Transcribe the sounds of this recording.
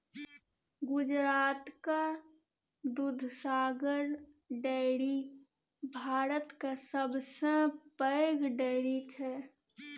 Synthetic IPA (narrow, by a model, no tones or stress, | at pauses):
ɡʊd͡ʒɾaːt̪ka | d̪ud̪ʱsaːɡəɾ | ɖɛːɽi | bʱaːɾət̪kasəbsə̃pəɡɖɛɪɽit͡ʃʰɛ